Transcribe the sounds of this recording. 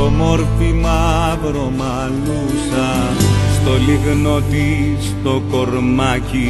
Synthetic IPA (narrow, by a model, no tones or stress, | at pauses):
omoɾfimɐpɾo̞mɐ | l | u | sɐst̪o̞liɣno̞t̪ist̪o̞ko̞ɾmɐci